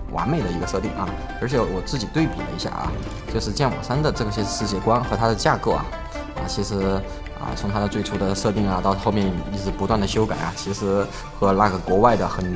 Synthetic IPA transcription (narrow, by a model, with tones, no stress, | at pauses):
wʔa̰˧˥me˨˩ɪd̪ə˩i˧˥ɡə˧ʂɤ˥˧i˥˩ŋʔɐ̰˩ | ə̰˧˥t͡ɕʰjɛ˧˥wɔ˨˩t͡sɹ̩˥˩t͡ɕi˨˩t̪we˥˩ɪpḭ˨˩lə̰˦ḭ˧˥ɕja̰˥˩ʔɐ̰˩ | t͡ɕjo˥˧ʊʂɻ̩˥˧t͡ɕjɛ˥˩nwa̰˨˩ʂa˥nd̪ə˨ʈ͡ʂɤ˥˩ɡə˩ɕɛ˥ʂɻ̩˥˧t͡ɕjɛ˥˩kwa˥nxɤ˧˥t̪ʰa˥d̪ə˨t͡ɕja˥˧ko˥˩ʊɐ̰˨˩ | ɐ̰˧˩t͡ɕʰi˧˥ʂɻ̩˧˥ | ə̰˧˩t͡sʰʊ˧˥ŋt̪ʰa˥d̪ə˨t͡swe˥˩ɪʈ͡ʂʰu˧˥d̪ə˧ʂɤ˥˧t̪i˥˩ŋɐ˩t̪ɑ˥˧ʊxo˥˧ʊmjɛ˥˩ni˥˩ʈ͡ʂ̩˧˥˩pu˧˥t̪wa˥˩nd̪ə˩ɕjo˥ʊka˨˩ɪʔɐ̰˩t͡ɕʰi˧˥ʂɻ̩˧˥ | xɤ˧˥la˥˩ɡə˧˩kwɔ˧˥wa˥˩ɪd̪ə˩xə˨˩n